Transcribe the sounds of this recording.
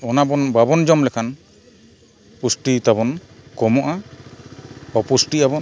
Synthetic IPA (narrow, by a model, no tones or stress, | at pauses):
ɔnabɔnbabɔnd͡ʒɔmlɛkʰan | pusʈit̪abɔnkɔmɔʔa | bɔpusʈiabɔn